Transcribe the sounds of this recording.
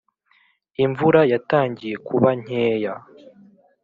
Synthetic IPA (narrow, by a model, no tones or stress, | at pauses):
iɱvuɾajataːɲɟije̞kʰuβaɲ̥eːja